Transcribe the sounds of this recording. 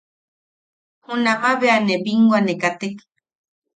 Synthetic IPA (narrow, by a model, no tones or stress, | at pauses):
hunamaβeanebiŋɡwʷanekat̪ek